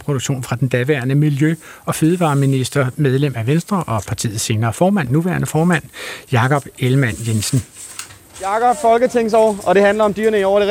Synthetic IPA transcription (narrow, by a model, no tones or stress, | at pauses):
pʰʁoduɡ̥ɕo̝̰ːnfʁɑ̈d̥end̥ɛʋæːɐnəmiljøɒ̽føːð̞ˠʋɑ̈ːminisd̥ɐmeð̞ˠlem̰æʋensd̥ʁɐʔɒ̽pʰɑ̈t͡sʰḭːð̩ˠse̝ːnɐːfɒːmæn̰ːuʋæ̰ːɐnəfɒːmæn̰jɑ̈kʰɒ̽b̥elmæn̰jensn̩ | jɑ̈ɡ̥ɒb̥fɒ̽lɡ̥ət͡sʰe̝ŋ̰s̬ɒɒ̽ɾ̥e̝hænlɐɒ̽md̥yɐnəiɒʊɐɾe